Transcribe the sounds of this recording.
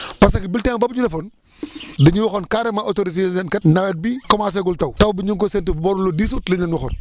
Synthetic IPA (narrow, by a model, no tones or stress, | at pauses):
pɐsɐkibiltɛŋbɐbɲudɐfɔn | dɐɲuwɔxɔnkaːɾɛmɐʔotoɾitelɲɛnkɐtnɐwɛt̚bikɔmaːs̬ɛɡultɐwtɐwbiɲuŋkɔsɛntibɔɾulɔdiːs̬utlɐɲɛnwɔxɔn